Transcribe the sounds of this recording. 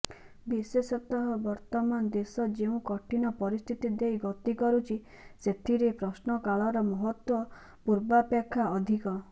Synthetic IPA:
bisesɔt̪ɔɦɔbɔɾt̪ɔmanɔd̪esɔd͡ʒeũkɔʈʰinɔpɔɾist̪ʰit̪id̪ejɡɔt̪ikɔɾut͡ʃʰi | set̪ʰiɾepɾɔsnɔkaɭɔɾɔmɔɦɔt̪wɔ | puɾbapjakʰːaɔd̪ʱikɔ

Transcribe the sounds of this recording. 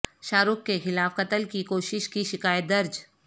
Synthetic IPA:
ʃaːɾʊkːexɪlaːfqɐt̪əlkikoːʃɪʃkiʃɪkaːjət̪̚d̪ɐɾd͡ʒ

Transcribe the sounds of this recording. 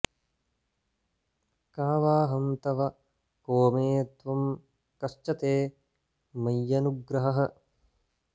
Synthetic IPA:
kaːʋaːɦɐmt̪ɐʋɐ | koːmeːɐt̪ʋɐm | kɐst͡ʃɐt̪eː | mɐjːɐnuɡɾɐɦɐɦɐ̆

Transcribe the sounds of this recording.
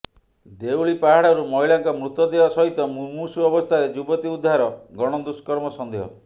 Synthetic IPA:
d̪ewɭipaɦaɽɔɾumɔɦiɭaŋkɔmɾut̪ːɔd̪ebasɔɦit̪ɔmumusuɔbɔst̪ʰaɾed͡ʒubɔt̪iud̪ʱːaɾɔɡɔɽ̃ɔd̪uskɔɾmɔsɔnd̪ʱeɦɔ̰

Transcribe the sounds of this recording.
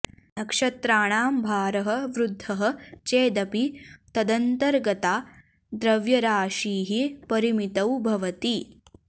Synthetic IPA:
nɐkʂɐt̪ɾaːɳaːmbʱaːɾɐɦɐ̆ʋɾud̪ʱːɐɦɐ̆t͡ʃeːd̪ɐpit̪ɐd̪ɐnt̪ɐɾɡɐt̪aː | d̪ɾɐʋjɐɾaːʃiːɦipɐɾimit̪ɐwbʱɐʋɐt̪i

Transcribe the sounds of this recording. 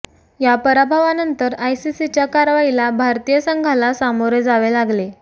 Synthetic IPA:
japəɾabʱaʋanənt̪əɾajsisit͡ɕjakaɾʋailabʱaɾt̪ijəsəŋɡʱalasamoɾjd͡zaʋelaɡle

